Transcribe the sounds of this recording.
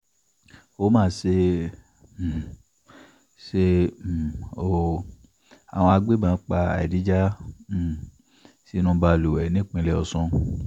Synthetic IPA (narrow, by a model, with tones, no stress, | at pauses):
o˨˦mãː˦˨se˧˨ | se˧˨ | o˦˨ | a̰˨w̃ɔ̃˧a˧ɡ͡be˦mã˨˦k͡pa˧a̰˨ɛ˨di˨˦d͡ʒã˦˨ | si˨˦nũ˧ba˧˨lu˨wɛ˨nĩ˨˦˨k͡pĩ˧lɛ˧˦ɔ˧sɔ̃˧